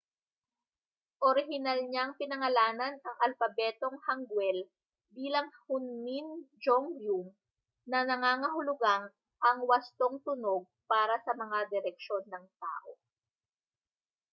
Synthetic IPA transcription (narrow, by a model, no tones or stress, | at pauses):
ʔoɾɪɦɪnɐlɲaŋpɪnɐŋɐlaːnɐnɐŋʔɐlfɐbɛːt̪o̞ŋhɐŋɡwɛl | biːlɐŋhʊnːind͡ʒoŋjum | nɐnɐŋaːŋɐɦʊlʊɡaŋ | ʔɐŋwɐst̪o̞ŋt̪ʊno̞ɡ̚paːɾɐsɐmɐŋad̪ɪɾɛk̚ʃo̞nːɐŋt̪a̰ːʔo